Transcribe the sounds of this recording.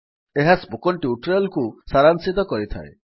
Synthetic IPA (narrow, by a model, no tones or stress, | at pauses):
eɦasbukɔɳʈiuʈɾɔlkusaɾansit̪ɔkɔɾit̪ʰa̰ḛ